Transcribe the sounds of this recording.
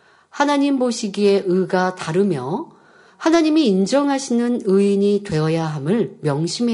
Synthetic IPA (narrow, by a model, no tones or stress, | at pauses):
hanaɲimboɕʰiɡie̞ʔɯɡataɾɯmjʌ | hanaɲimiːnd͡ʑʌŋɦaɕʰinɯnɯiɲitwe̞ʌjaɦamɯɭmjʌŋɕʰime